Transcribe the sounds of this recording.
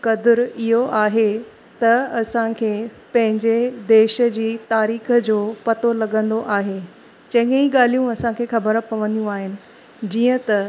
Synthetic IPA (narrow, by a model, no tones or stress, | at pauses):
kɐd̪ɪɾɪɦoʔaːɦe | t̪ɐɐsãkʰeː | pɐ̃ɦɪ̃ɲd͡ʑed̪eːʃə̆d͡ʑiːt̪aːɾiːxə̆d͡ʑoːpɐt̪olɐɠə̃nd̪oʔaːɦe | t͡ɕɐ̃ɦɪ̃ŋiɠaːl̤ijũɐsãkʰeːxɐbəɾpɐʋə̃nd̪jũaːɦɪnɪ̆ | d͡ʑiːə̃t̪ɐ